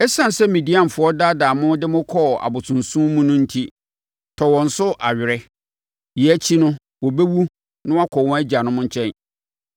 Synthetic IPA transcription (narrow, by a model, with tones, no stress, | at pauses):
ɛ˦sã˦˨n˨sɛ˦mĩ˨di˦ã˨m˨fʊ˨˦ɔ˦da˦daː˨mʊ̃˦dɪ˦mʊ̃˦kʰɔ˦˨a̰˨bʊ˨tʰʊ̃˨nsũ˦mũ˦nʊ̃˦n̩˦tʰi˦ | tʰɔ˨wɔ̃˨n̩˨sʊ˦ʔa˨ɥᶣɪ˨ɾɛ˦ | ji˨æ˦t͡ɕʰi˦nʊ̃˦ | wɔ˨be˦wu˦ | nʊ̃˦a˦kʰɔ˨wɔ̃˦æ˦d͡ʑi˨a˨nʊ̃˦mʊ̃˦ɲ̩˦t͡ɕʰɛ̃˦n